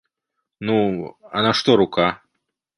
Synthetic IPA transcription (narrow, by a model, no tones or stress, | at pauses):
nuɐnaʂt̪ɔɾuka